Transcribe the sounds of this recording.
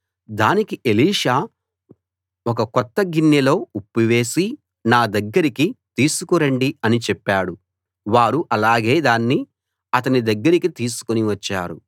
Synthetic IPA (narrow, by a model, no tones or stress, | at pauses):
d̪aːnikiʔe̞liːʂaː | ɔkɐkɔt̪ːɐɡinjɐlo̞ːupːiʋe̞ːsi | naːd̪ɐɡːɐɾikit̪iːsukuɾɐɳɖiɐnit͡ʃɛpːaːɽu | ʋaːɾuʔɐlaːɡe̞ːd̪aːnːi | ɐt̪ɐnid̪ɐɡːɐɾikit̪iːsu̥koniʋɐt͡ʃːa̰ːɾu